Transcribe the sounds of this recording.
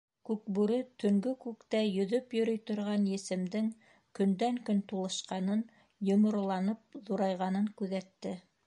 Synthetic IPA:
kʉk̚bʉɾɘt̪ɵ̆ŋɡɵkʉkt̪æjɵ̆ðɵpjɵ̆ɾɵjt̪ŏɾʁɑnjɘ̆sɘ̆md̪ɘŋ | kɵ̆nd̪æŋkɵnt̪ulˠɤ̆ʃqɑnɤn | jŏmŏɾɤ̆lˠɑnɤp̚ðuɾɑjʁɑnɤŋkʉðæt̪ːɘ

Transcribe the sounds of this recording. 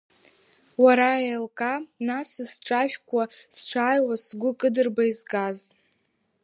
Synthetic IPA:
waɾaelkʼanasɨsʈ͡ʂʼaʒᶣkʷʰast͡ʃʷʰaːjwasɡʷʊkʼɨdɨrbaizɡaz

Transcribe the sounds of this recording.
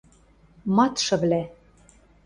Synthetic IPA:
mɑt̪ʃɤ̆βlæ

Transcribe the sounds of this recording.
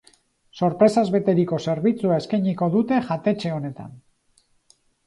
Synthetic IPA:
so̞ɾpɾe̞sazβe̞t̪e̞ɾiko̞se̞ɾβ̞it͡suae̞skajɲiko̞ðut̪e̞ʝat̪e̞t͡ʃe̞o̞ne̞t̪a̰n

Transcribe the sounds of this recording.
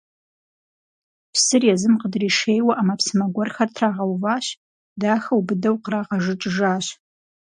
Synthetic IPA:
pʰsɨrjɛzɨmqədriːʂeːjwɐʔamɐpsɨmɐɡʷɔrxɐrtʰraːʁɐwvaːɕ | daːxɐwbɨdɐwqraːʁɐʐɨʈ͡ʂʼʒaːɕ

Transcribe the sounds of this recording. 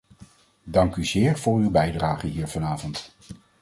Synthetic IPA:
dɑŋkyzɪːɹv̥ʊːɹywbɛjdraːχənɦiːɹvɑnaːvɔnt

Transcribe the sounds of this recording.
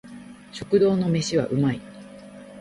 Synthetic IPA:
ɕo̞̥kɯ̟d̪o̞ːno̞me̞ɕiβa̰ʔɯ̟mai

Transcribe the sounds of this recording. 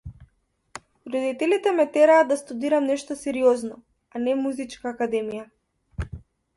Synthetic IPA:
ɾɔd̪it̪ɛlit̪ɛmɛt̪ɛɾaːd̪d̪ast̪ud̪iɾamnɛʃt̪ɔsɛɾiɔznɔ | anɛmuzit͡ʃkaːkad̪ɛmija

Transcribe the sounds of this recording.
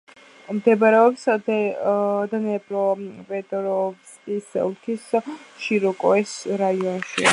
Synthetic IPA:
md̪ɛbaɾɛɔpsd̪ɛd̪anɛbʼɾɔpʼɛt̪ʼɾɔvsʼisɛ̰ulkʰisʃiɾɔkʼɔɛsɾaiɔnʃḭ

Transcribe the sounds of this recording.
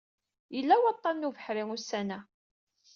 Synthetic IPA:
jəlːæwɑt̪ˤːɑnnuvəħɾiŋʊsːænæ

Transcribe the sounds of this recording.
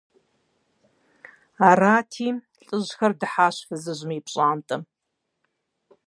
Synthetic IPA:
aːraːtʰiː | ɨʑxɐrdɨħaːɕfɨzɨʑmipɕʼaːmtʼɐm

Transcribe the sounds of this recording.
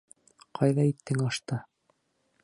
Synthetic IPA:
qʰɑjðɑit̪ːɘŋɑʃt̪ɤ

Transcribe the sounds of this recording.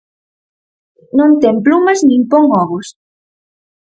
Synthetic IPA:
nõnt̪emplumɐznĩŋpoŋɔβos

